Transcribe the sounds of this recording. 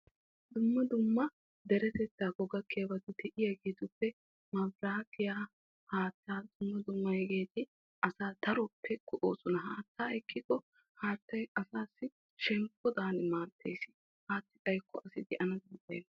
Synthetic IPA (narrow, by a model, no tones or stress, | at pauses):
d̪ʊmːɐd̪ʊmːɐ | d̪ɛɾɛt̪ɛt̪ːaːɡɔɡɐkʰːeːbɐt̪ɪd̪ɛʔɪjɐɡeːt̪ʊpːɛ | mɐbɾaːkːɪjaː | haːt̪ːaːd̪ʊmːɐd̪ʊmːɐjɛɡeːt̪ɪ | ʔɐsaːd̪ɐɾɔpːɛkʊʔo̰ːsɔnɐɦaːt̪ːaːɛkːɪkːɔ | haːt̪ːɐjɐsaːsːɪ | ʃɛŋkːɔd̪aːnɪmaːɾt̪ʰːḛjsɪ̥ | haːt̪ːɪt̪ʼɐjkʰːɔʔɐsɪd̪ɛʔɐnɐd̪ɪnt̪ːḛːn